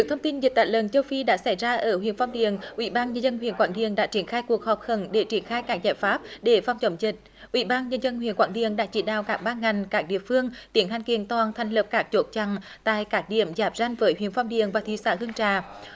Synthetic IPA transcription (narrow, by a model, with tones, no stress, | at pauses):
ɨ˨˩k̚t̪ʰə˧wŋ͡mt̪i˧nzi˨˩t̪̚aː˧˨jlə˨˩nt͡ɕə˧wfi˧ɗa̰ː˧˥sa˧˩jzaː˧ʔəː˧˩hwḭ˧˨ənfɔ˧wŋ͡mɗḭ˨əŋʔwḭ˧˩ɓaː˧nɲə˧nzə˧nɦwḭ˧˨ənkwa̰ː˧˥nɗḭ˨˧˨əŋɗa̰ː˧˥t͡ɕi˧˩ənxaː˧jku˨˩ək̚hɔ˨˩p̚xə˧˩nɗe˧˩t͡ɕi˧˩ənxaː˧jkaː˦˥k̚zaː˧˩jfaː˦˥p̚ɗe˧˩fa˧wŋ͡mt͡ɕə˨˧˦wŋ͡mzï˨˩k̚ | ʔwḭ˧˩ɓaː˧nɲə˧nzə˧nɦwi˧˩˨ənkwaː˧˥nɗḭ˨əŋɗa̰ː˧˥t͡ɕi˧˩ɗa̰ː˧˨wkaː˦˥k̚ɓaː˧ŋa˨˩jŋ̟kaː˦˥k̚ɗḭ˧˨əfɨ˧əŋt̪i˨˦ənhjŋ̟ki˧˨ənt̪waː˨˩nt̪ʰa˨˩jŋ̟lə˨˩p̚kaː˦˥k̚t͡ɕo˨˥t̚t͡ɕa˧˩ŋ | t̪a̰ː˧˨jkaː˦˥k̚ɗḭ˧˩əmzaː˨˩p̚za˧jŋ̟vəː˨˦jwi˧˨ənfɔ˧wŋ͡mɗḭ˨˩əŋvaː˨˩t̪ʰi˧˦sa̰ː˧˥hɨ˧əŋt͡ɕaː˧˩˨